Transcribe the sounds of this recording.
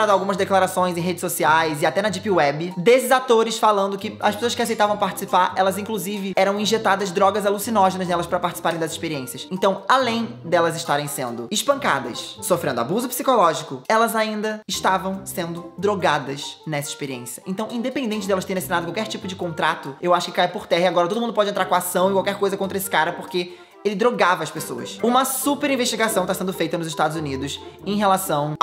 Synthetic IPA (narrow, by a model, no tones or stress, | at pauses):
ɾad̪awɡũmɐzd̪eklaɾasõj̃z̬ẽj̃ɦed͡ʒɪsosiajzɪat̪ɛnɐd͡ʒipɪwɛbɪd̪esɪzat̪oɾɪsfalɐ̃nd̪ʊkɪɐʃpesoɐskɪasejt̪avɐ̃w̃paɾt͡ʃɪ̥sipaɾɛlɐzĩŋkluzivɪɛɾɐ̃w̃ĩʒet̪ad̪ɐzd̪ɾɔɡɐzalusinɔʒenɐznɛlɐspɾɐpaɾt͡ʃisi̥paɾẽj̃d̪ɐziʃpeɾiẽsiɐsẽnt̪ɐ̃w̃alẽj̃d̪ɛlɐzɪʃt̪aɾẽj̃sẽnd̪ʊɪʃpɐ̃ŋka̰d̪ɐ̰ssofɾẽd̪ʊa̰buzʊpsikolɔʒikʊɛlɐzaĩnd̪ɐɪʃt̪avɐ̃w̃sẽnd̪ʊd̪ɾoɡad̪ɐʃnɛsɐɪiʃpeɾiḛ̃siɐʔẽnt̪ɐ̃w̃ʔĩd̪epẽnd̪ẽnt͡ʃɪd̪ɛlɐst̪eɾ̃asinad̪ʊkwawkɛɾt͡ʃipʊd͡ʒɪkõnt̪ɾat̪ʊewaʃʊ̥kɪ̥kajpoɾt̪ɛɦɐiaɡɔɾɐt̪od̪ʊũd̪ʊpɔd͡ʒɪ̃ẽt̪ɾaɾkõasɐ̃w̃ɪkwawkɛɾkojzɐkõt̪ɾɐesɪ̥kaɾɐpoχke | elɪd̪ɾoɡavɐɐspesoɐ̰sũmɐsupeɾĩveʃt͡ʃiɡasɐ̃w̃t̪asẽnd̪ʊfejt̪ɐnʊzɪʃt̪ad̪ʊzunid̪ʊsẽj̃ɦelasɐ̃w̃